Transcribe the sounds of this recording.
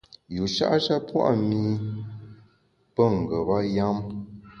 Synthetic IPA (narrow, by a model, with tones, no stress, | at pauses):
ju˨ʃa̰˦ʔʃa˦pwa̰˦ʔmi˦ | pə˦ŋ̩˨ɡə˨ba˦ja˦m